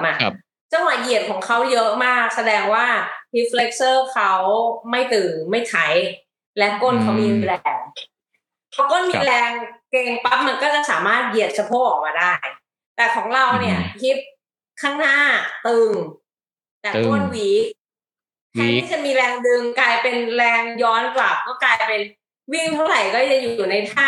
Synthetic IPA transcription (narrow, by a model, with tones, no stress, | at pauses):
mʔa˧˩ʔ | t͡ɕa˥˩wa˨˧˩ʔi˨˩ət̪̚kʰɔː˩˦ŋkʰa˦˥wjɤ˦˥ʔmaː˥˩k̚sa˧dɛː˧ŋwaː˥˩hi˦˥p̚fle˦˥k̚sɤː˥˩kʰa˦˥wma˥˩jt̪ɯː˨˩ŋma˥˩jt͡ɕʰa˦˥j | lɛ˦˥wkoː˥˩˨nkʰa˦˥wmiː˧luː˧ɾɛː˧ŋ | kʰa˦˥wkoː˥˩˨nmiː˧ɾɛː˧ŋke˧ŋpa˦˥p̚ma˧nkɔː˥˩t͡ɕa˨˩saː˩˦maː˥˩t̪̚ji˨˩ət̪̚sʰa˧pʰoː˦˥˩k̚ʔɔː˨˩k̚maː˧daː˥˩j | t̪ɛː˨˩kʰɔː˩˦ŋɾa˧wni˥˩ɐpʰi˦˥t̪̚ | kʰaː˥˩ŋnaː˥˩t̪ɯ˧ŋ | t̪a˨˩ko˥˩nwiː˩˦ | t͡ɕʰa˦˥˩jt̪ʰa˥˩t͡ɕʰa˧˥˩miː˧ɾɛː˧ŋdɯ˧ŋklaː˧jpe˧nɾɛː˧ŋjɔː˦˥nkla˨˩p̚kɔː˥˩klaː˧jpe˧n | wi˥˩ŋt̪ʰa˥˩ɾa˨˩jkɔː˥˩t͡ɕa˨˩ʔjuː˨˩˨na˧jt̪ʰaː˥˩